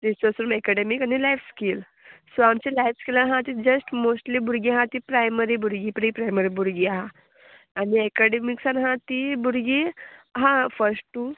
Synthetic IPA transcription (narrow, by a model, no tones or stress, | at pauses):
d̪isəsɾumekaɖemikanilajfskil | soamt͡ɕilajfskilanɦãt̪id͡ʑəsʈmosʈlibuɾɡiɦãt̪ipɾajməɾibuɾɡipɾipɾajməɾibuɾɡiaɦã | aniekaɖemiksanɦãt̪ibuɾɡiɦãfəɾsʈʈːu